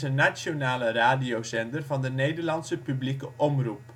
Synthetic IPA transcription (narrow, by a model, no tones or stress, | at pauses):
ənasjonaːləraːdiowzɛndərvɑndənejdərlɑnsəpyblikəʔɔmrup